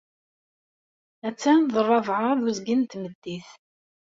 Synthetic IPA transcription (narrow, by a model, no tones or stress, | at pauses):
æt͡sːænðˤərˤːɑvʕəɾðuzɡint̪məd̪ːiθ